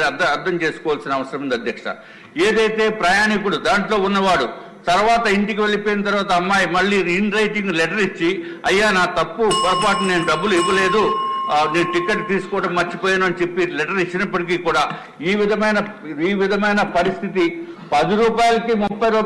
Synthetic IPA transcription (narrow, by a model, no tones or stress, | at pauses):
ɐɐɾd̪ʱɐmt͡ʃe̞ːsu̥kɔːʋaːlsinɐʋɐsɐɾɐmund̪ɐd̪ʱjɐkʂɐ̰ | eːd̪ɐjt̪e̞ːpɾɐjaːnikuɽud̪aːɳʈlo̞ːunːɐʋaːɽu | t̪ɐɾuʋaːt̪ɐiɳʈikiʋe̞ɭipoːjinɐt̪̬ɐɾuʋaːt̪ɐɐmːaːjimɐɭːiːɾiːnɾɐjʈiŋɡlɛʈɐɾit͡ʃːi | ɐjːaːnaːt̪ɐpːupɐɾɐpaːʈɐnne̞ːnuɖɐbːuliʋɐle̞ːd̪une̞ːnuʈikːeʈːt̪iːsu̥kɔːʈɐmːɐɾt͡ʃːipoːjaːnuɐnit͡ʃe̞pːilɛʈɐɾit͡ʃːinɐpːɐʈikiːkuːɽaː | iːʋid̪ʱɐmɐjnɐ | iːʋid̪ʱɐmɐjnɐpɐɾist̪ʰit̪̬ipɐd̪iɾuːpaːjɐlɐkimupːɐjɾuː